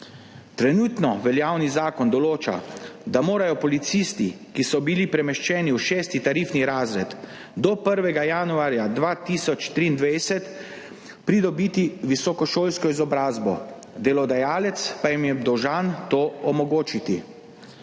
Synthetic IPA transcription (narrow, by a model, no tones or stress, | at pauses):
t̪ɾɛnut̪nɔʋɛljaːwnizaːkɔnd̪ɔloːt͡ʃa̰d̪amoːɾajɔpɔlit̪sist̪ikisɔbilipɾɛmɛʃt͡ʃɛːniuʃɛːst̪it̪aɾifniɾaːzɾɛt̪ | d̪ɔpəɾʋɛɡajanuaːɾjad̪ʋaːt̪isɔt͡ʃt̪ɾiːnd̪ʋajsɛt̪ | pɾid̪ɔbiːt̪iʋisɔkɔʃoːlskɔizɔbɾaːzbɔ | d̪ɛlɔd̪ajaːlɛt̪spajimjɛd̪ɔwʒant̪oːɔmɔɡoːt͡ʃit̪i